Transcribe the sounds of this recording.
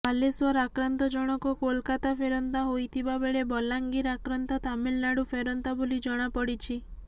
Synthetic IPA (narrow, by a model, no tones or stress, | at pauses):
aleswɔɾakɾant̪ɔd͡ʒɔɽ̃ɔkɔkolkat̪apʰeɾɔnt̪aɦojt̪ʰibabeɭebɔlaŋɡiɾakɾant̪ɔt̪amilnaɽupʰeɾɔnt̪abolid͡ʒɔɽ̃apɔɽit͡ʃʰi